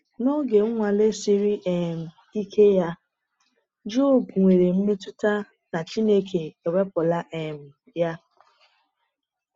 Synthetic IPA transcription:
nɔ˦ɡe˨ŋ̩˦ŋʷa˨le˦si˦ɾi˦ʔe˨m̩˨ | i˦kʰe˦ja˦ | d͡ʒo˦˨bu˨ŋʷe˨ɾe˨m̩˦me˦tʊ˦ta˦ | na˨t͡ʃi˦ne˦kʰe˨e˨we˦pʊ˨la˦ʔe˨m̩˨ | ja˦

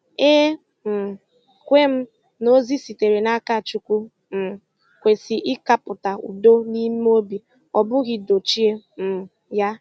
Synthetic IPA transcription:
e˦ | m̩˨ | kʷe˦m̩˦ | no˦zi˦si˨te˨ɾe˨na˦ka˦˨t͡ʃu˦kʷu˦ | m̩˨ | kʷe˨si˨ʔɪ˦ka˦pʊ˨ta˨ṵ˨do˦ni˦m˦o˦bi˨ | ɔ˨bʊ˦ɣɪ˦do˨t͡ʃi˦e˦m̩˨ | ja˦

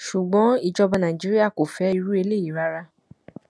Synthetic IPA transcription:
ʃu˨ɡ͡bɔ̃˨˦i˦˨d͡ʒɔ˧ba˧nã˨i˨d͡ʒi˨˦ɾi˦a˦˨ko˨fɛ˨˦i˧ɾu˦e˧le˦˨i˨ɾa˦ɾa˧

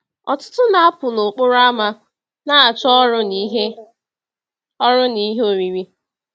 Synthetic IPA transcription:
ɔ˨tʊ̥˦tʊ˦na˨a˦pʊ˨lo˨k͡pʊ˦ɾʊ˦a˦ma˦ | na˦a˨t͡ʃɔ˦ɾʊ˦n˦ɦe˦ | ɔ˦ɾʊ˦ni˦ɦe˦o˨ɾi˨ɾi˦

